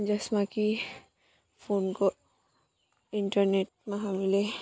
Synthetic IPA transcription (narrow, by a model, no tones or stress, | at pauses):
d͡ʒɐsmaki | fʰonkɔ | iɳʈəɾneʈ̚maɦamile